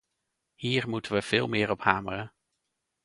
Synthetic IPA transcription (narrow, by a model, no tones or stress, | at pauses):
hiːɹmutənʋəv̥ɪːlˠmɪːɹɔphaːmərən